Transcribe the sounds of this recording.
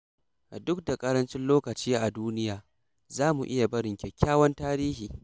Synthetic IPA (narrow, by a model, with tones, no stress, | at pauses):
ʔa˨dʊ˦k̚da˨kʼɐ˦ɾɐ˦nt͡ʃɪ˦nloː˦kɐ˨t͡ʃiː˦ʔa˨duː˦nɪ˦jaː˨ | zaː˦mu˨ʔɪ˦ja˨bɐ˦ɽɪ˨ŋkʲe˨kʲːaː˦wɐ˦ntaː˦ɾiː˦hiː˨